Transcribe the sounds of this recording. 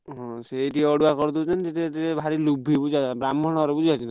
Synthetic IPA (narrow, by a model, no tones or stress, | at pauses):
ɦɔ̃seːʈiɔɽuakɔɾt̪ut͡ʃʰɔnt̪etet̪eebʱaɾilubʱibud͡ʒiabɾamɔɽ̃ɔɾebud͡ʒʱiat͡ʃʰina